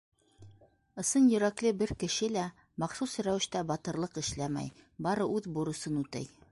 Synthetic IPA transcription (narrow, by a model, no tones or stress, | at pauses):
ɤ̆sɤnjɵ̆ɾæklɘbɘɾkɘ̆ʃɘlæ | mɑqsusɾæwɘ̆ʃt̪æbɑt̪ɤ̆ɾlˠɤqɘ̆ʃlæmæ̰jbɑɾɤʉðbuɾɤ̆sɤnʉt̪ɘ̰j